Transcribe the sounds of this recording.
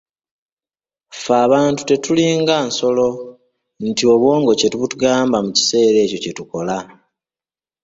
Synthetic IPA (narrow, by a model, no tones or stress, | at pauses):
faːβaːntu̥te̞tuliːŋɡanso̞lo̞ | n̩tio̞βwo̞ːŋɡo̞ce̞tuβutuɡaːmbamuci̥se̞ːɾe̞ːco̞cetuko̞la